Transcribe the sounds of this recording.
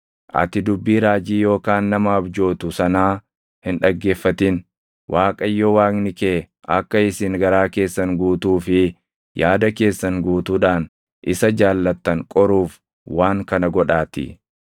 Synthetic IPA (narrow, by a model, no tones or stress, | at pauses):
ʔɐ̰t̪ɪd̪ʊbːiːɾaːd͡ʒiːjo̞ːkaːnːɐmɐːbd͡ʒo̞ːt̪ʊsɐnaː | hɪnᶑɐɡːe̞ːfːɐt̪ɪn | wʔaːkʼɐjːɔwaːknɪkeː | ʔɐ̰kːɐɪsɪŋɡɐɾaːke̞ːsːɐŋɡuːt̪uːfɪ | jaːd̪ɐke̞ːsːɐŋɡuːt̪uːᶑaːn | ʔɪsɐd͡ʒaːlːɐt̪ːɐŋkʼɔɾuːf | waːŋkɐnɐɡɔᶑaːt̪ɪ̰